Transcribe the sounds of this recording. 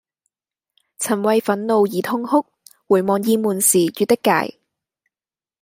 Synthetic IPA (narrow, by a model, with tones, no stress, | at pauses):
t͡sʰɐ˨˩nwɐ˨˧jfɐ˨˥nlo˨˧wjiː˨˥t̪ʰʊ˥ŋhʊ˥k̚wuː˨˩jmɔː˨ŋjiː˧muː˨˩nsiː˨˩jyː˨˧t̪ɪ˥kːa̰ː˨˧˩j